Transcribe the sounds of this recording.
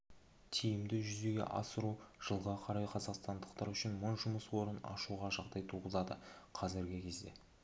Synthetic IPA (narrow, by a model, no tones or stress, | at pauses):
t̪ʰijɪmd̪ɪʒʏze̞ɡʲe̞̰ʔɑ̰səɾuʒ̥əlˠʁɑqʰɑɾɑjqʰɑzɑqst̪ɑnd̪əqt̪ɑɾʏʃɪnmʊɴʒʊməswo̞ɾənɑ̰ʃuʁɑʒɑqd̪ɑjt̪ʰuʁəzɑd̪ə̰qʰɑzɪɾɡʲɪkʲʰe̞zd̪e̞̰